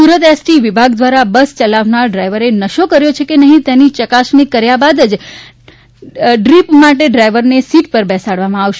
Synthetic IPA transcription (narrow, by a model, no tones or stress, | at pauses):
suɾət̪ɛsʈiʋɪbʱaɡd̪ʋaɾabəst͡ʃəlaʋnaɾɖɾajʋəɾenəʃokəɾjot͡ʃʰekenəɦĩt̪enit͡ʃəkasnikəɾjabad̪əd͡ʒ | ɖɾipmaʈeɖɾajʋəɾnesiʈpəɾbɛsaɽʋamãaʋʃe